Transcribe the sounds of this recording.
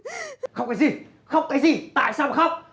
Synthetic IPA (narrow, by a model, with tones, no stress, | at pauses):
xə˧wŋ͡mkɔː˨˦jzi˨˩ | xə˧wŋ͡mkaː˨˦jzi˨˩t̪a̰ː˧˨jsaː˧wxa˦˥wk͡p̚